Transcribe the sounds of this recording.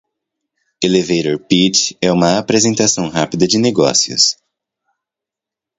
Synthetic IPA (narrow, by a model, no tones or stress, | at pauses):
elevejɾoɾpit͡ʃɛũmɐapɾezẽnt̪asɐ̃w̃ɦapid̪ɐd͡ʒɪneɡɔ̰siʊ̰s